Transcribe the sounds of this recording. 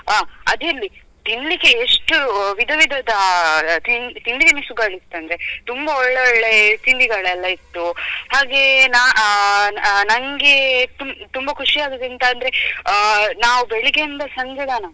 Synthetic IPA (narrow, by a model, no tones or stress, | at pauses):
ɦaːɐd̪ɐlːi | t̪inlikːeeʂʈuʋid̪ʱɐʋid̪ʱɐd̪ɐt̪int̪iɳɖikɐnisuɡaːɭist̪ːɐnd̪ɾet̪umbɐɔɭːeɔɭːe̞t̪iɳɖiɡɐɭɛlːɐit̪ːuhaːɡe̞naːʔ | nɐŋɡet̪umt̪umbɐkʰuʂijaːɡud̪ent̪aːnd̪ɐɾe | naːʋubeɭiɡend̪ɐsɐɲd͡ʒɐd̪aːnɐ